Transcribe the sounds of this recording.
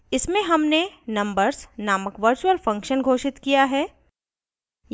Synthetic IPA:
ɪsmẽɦɐmnenɐ̃mbəɾznaːməkʋɐɾt͡ʃuəlfɐ̃ŋkʃənɡʱoːʃɪt̪kijaɦɛː | j

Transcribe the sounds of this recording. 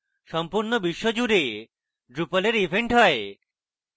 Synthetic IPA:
ʃɔmpuɾnobiʃːod͡ʑuɾe | ɖɾupəleɾibʱeɳʈɦɔe

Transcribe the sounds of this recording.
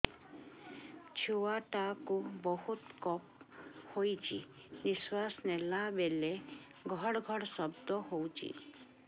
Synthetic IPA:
t͡ʃʰuwaʈakubɔhut̪kɔp̚hojt͡ʃʰi | niswasnelabele | ɡʱɔɽɔɡʱɔɽsɔbd̪ɔɦowt͡ʃʰḭ

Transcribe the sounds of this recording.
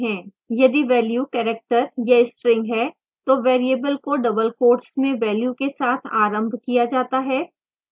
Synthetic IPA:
ɦɛ̃ː | jɐd̪iʋɛːljukɛːɾek̚ʈəɾjɐɪsʈɾɪ̃ŋɡɦɛː | t̪oʋeːɾieːbəlkoɖɐbəlkoːʈsmẽʋɛːljukesaːt̪ʰa̰ːɾə̃mbʱkijad͡ʒaːt̪aɦɛː

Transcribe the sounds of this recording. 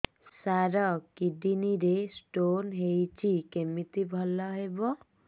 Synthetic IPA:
saɾɔkid̪iniɾesʈonɦejt͡ʃʰikemit̪ibʱɔlɔɦebɔ

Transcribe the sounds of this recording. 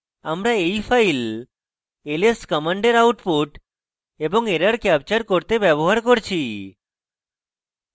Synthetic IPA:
amɾaejfʰajl | eleskəmaɳɖeɾawʈpuʈ | eboŋeɾaɾkɛp̚t͡ɕaɾkoɾt̪ebɛboɦaɾkoɾt͡ɕʰi

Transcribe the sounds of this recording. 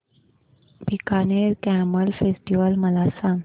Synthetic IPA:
bikaneɾkæməlfesʈiʋəlməlasãŋ

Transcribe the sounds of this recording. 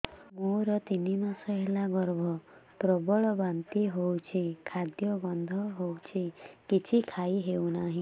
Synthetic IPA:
moɾɔt̪inimasɔɦelaɡɔɾbʱɔpɾɔbɔɭɔbant̪iɦowt͡ʃʰikʰad̪jɔɡɔnd̪ʱɔɦowt͡ʃʰikit͡ʃʰikʰajɦewnaɦĩ

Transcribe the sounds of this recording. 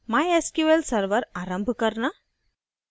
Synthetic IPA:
majeskjuʋelsɐɾʋɐɾaːɾɐmbʱɨkɐɾna

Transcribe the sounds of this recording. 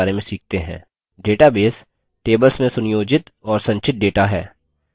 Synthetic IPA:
ɾemẽsiːk̚ʰt̪eɦɛ̰̃ː | ɖeːʈabeːs | ʈeːbəlsmẽsʊnɪjoːd͡ʒɪt̪ɔːɾsɐ̃ɲt͡ʃɪt̪̚ɖeːʈaɦɛ̰ː

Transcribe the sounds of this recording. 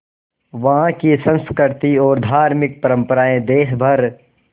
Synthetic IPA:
ʋɐɦãkisɐ̃nskəɾt̪iɔːɾd̪ʱaːɾmɪk̚pɐɾə̃mpəɾaːẽd̪eːɦbʱɐɾ

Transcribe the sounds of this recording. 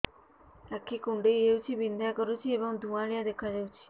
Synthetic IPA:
lakʰːikuɳɖeeut͡ʃʰibind̪ʱjakɔɾut͡ʃʰiebɔŋd̪ʱũãɭijad̪ekʰad͡ʒawt͡ʃʰi̥

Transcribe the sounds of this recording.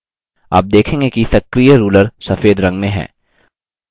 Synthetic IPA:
a̰ːp̚d̪eːkʰẽːŋɡekisɐkɾijəɾuːləɾsɐfeːd̪ɾɐ̃ŋɡmẽɦɛ̰̃ː

